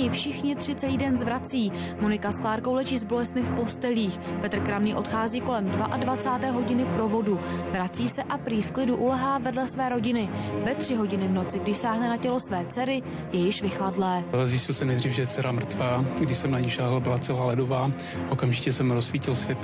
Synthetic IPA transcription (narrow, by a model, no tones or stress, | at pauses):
ɪfʃɪxɲɪt̪r̝̥ɪt͡sɛliːdɛnzvɾat͡siː | mo̞nɪkasklaːɾko̞wlɛʒiːzbo̞lɛst̪mɪfpo̞st̪ɛliːxpɛt̪r̩kɾamniːʔo̞t̪xaːziːko̞lɛmdvaʔadvat͡saːt̪ɛːɦo̞ɟɪnɪpɾo̞vo̞duvɾat͡siːsɛʔapɾiːfklɪduʔulɛɦaːvɛdlɛsvɛːɾo̞ɟɪnɪvɛt̪r̝̥ɪɦo̞ɟɪnɪvno̞t͡sɪɡdɪʃsaːɦnɛnacɛlo̞svɛːt͡sɛɾɪ | jɛjɪʃvɪxladlɛːzjɪscɪlsɛmnɛjdriːfʒɛjɛt͡sɛɾamr̩t̪vaːɡdɪʃsɛmnaɲiʒaːɦlbɪlat͡sɛlaːlɛdovaː | ʔokamʒɪcɛsɛmɾosfiːcɪlsvjɛt̪